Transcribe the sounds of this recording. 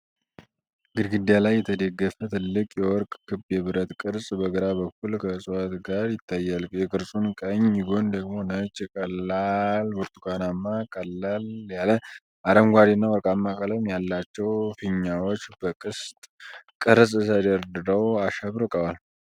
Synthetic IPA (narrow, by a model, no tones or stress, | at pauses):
ɡɨd̪ɡɨd̪jalajːɛt̪ʰəd̪eɡːəfət̪ʰɨlːɨkʼjɛwɔɾkʼkʰɨbjɛβɨɾət̪kʼɨɾsʼbəɡəɾabəkːulkʰəsʼɨwat̪ɡaɾjɪt̪ʰːajːalkʼjɛkʼɨɾsʼunkʼəɲjɪɡo̞nd̪əɡmo̞nət͡ʃʼkʼəlːalbuɾt̪ʰukʰanamːakʼəlːaljalə | aɾəmɡʷad̪inːawɔɾkʼamːakʼələmjalːat͡ʃːɛwfɨɲːawot͡ʃːb̥əkʼɨst̪ʼkʼɨɾsʼɨsəd̪əɾd̪ɨɾəwaʃəβɾɨkʼəwal